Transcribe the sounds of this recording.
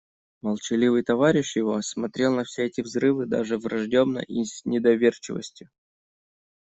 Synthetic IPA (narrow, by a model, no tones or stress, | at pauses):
məlˠt͡ɕɪlʲivɨjt̪ɐvaɾʲɪʂjɪvo̞smɐt̪ɾʲe̞lˠnɐfsʲeɛtʲɪvzrɨvɨd̪a̰ʐɨvrɐʐdʲobnə̰ʔisʲnʲɪd̪ɐvʲert͡ɕɪvə̰sʲtʲjʊ